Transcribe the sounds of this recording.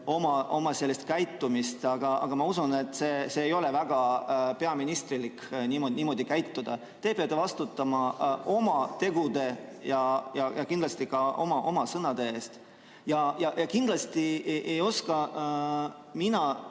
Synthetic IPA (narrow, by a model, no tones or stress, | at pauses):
o̞mɑʔo̞mɑse̞lːest̪̚kæjt̪ːumist̪ɑɡ̥ɑɑ̰ɡ̥ɑmɑusune̞t̪ːˑseːseːjo̞le̞væɡ̥ɑpe̞ɑminist̪ɾiliknʲiːmo̞niːmo̞ːd̪̥ikæjt̪ːud̪̥ɑ | t̪e̞peɑt̪ːevɑst̪ut̪ːˑɑmɑo̞mɑt̪e̞ɡud̪̥e̞jɑjɑjɑkind̪lɑst̪ikɑʔo̞mɑʔo̞mɑsɤnɑd̪̥e̞e̞ːst̪ | jɑjɑjɑkind̪̥lɑst̪iʔejo̞skɑ | minɑ